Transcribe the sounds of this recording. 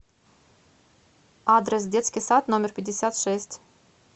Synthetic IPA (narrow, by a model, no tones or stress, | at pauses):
ad̪ɾɛs̬d̪ʲɛt̪sʲkʲisat̪nɔmʲɛɾpʲed̪ʲesʲat̪ʃɛsʲt̪ʲ